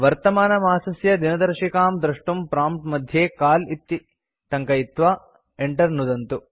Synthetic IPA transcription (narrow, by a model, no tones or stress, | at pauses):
ʋɐɾt̪ɐmaːnɐmaːsɐsjɐd̪inɐd̪ɐɾʂikaːmd̪ɾɐʂʈumpɾaːmp̚ʈmɐd̪ʱjeːkaːlit̪ːi | t̪ɐŋkɐit̪ʋaː | eɳʈɐɾnud̪ɐnt̪u